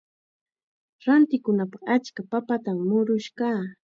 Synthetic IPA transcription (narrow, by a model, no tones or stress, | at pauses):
ɾant̪ɪkʊnapaχat͡ʃkapapat̪ammʊɾʊʃkaː